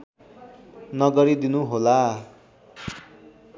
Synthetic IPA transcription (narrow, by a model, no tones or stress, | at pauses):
nʌɡʌɾid̪inuɦola